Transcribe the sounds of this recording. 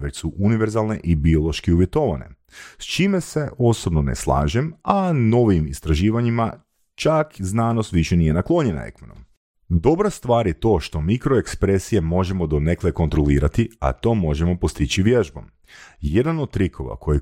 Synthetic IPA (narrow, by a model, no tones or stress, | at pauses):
ʋe̞t͡ɕsuʔuniʋeɾzalˠne̞ʔibio̞lˠo̞ʃkiuʋje̞t̪o̞ʋane̞̰ | st͡ʃimese̞o̞so̞bno̞nḛslˠa̰ːʒemano̞ʋimist̪ɾaʒiːʋaɲima | t͡ʃakznaːnost̪ʋiʃe̞nije̞naklˠo̞ɲena̰ḛkmeno̰m | d̪o̞bɾast̪ʋaːɾje̞t̪o̞ːʃt̪o̞mikɾo̞ekspɾesije̞mo̞ʒe̞mo̞d̪one̞kleko̞nt̪ɾo̞liːɾat̪ia̰t̪o̞ːmo̞ʒe̞mo̞po̞st̪it͡ɕiʋjeʒbo̞̰m | je̞d̪anod̪̚t̪ɾikʰo̞̰ʋa̰ko̞ji